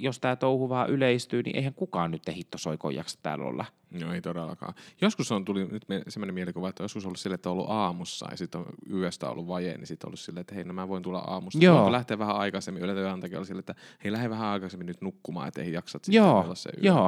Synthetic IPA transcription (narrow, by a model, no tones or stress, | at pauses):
jost̪æːt̪ouhuʋɑːʔyleist̪yːnḭʔḛihæŋkukɑːnnyt̪ːehit̪ːosoiko̰jːɑ̰ksɑ̥t̪æ̰ːlːo̰lːɑ̰ | noeit̪odelːˑɑ̰kɑ̰ːjoskusont̪ulinyt̪misemːonemielikuʋɑet̪ːõjoskusolːusilːet̪ːæoolːṵʔɑːmusːɑ̰j̰jsit̪ːo̰nyest̪æ̰ːo̰lːuʋʋɑjḛnḭsit̪ːo̰lːussilːeet̪ːæheinomæʋoint̪ulɑ̰ʔɑ̰ːmustɑooolæht̪eːʋʋæhæɑikɑsemːiylent̪æɑnt̪ɑkio̰lsilːet̪ːæheilæheʋæhæɑikɑsemːinyt̪nukːumɑ̰ːḛt̪ːæḛijɑksɑt̪sioːolːɑssḛy̰oː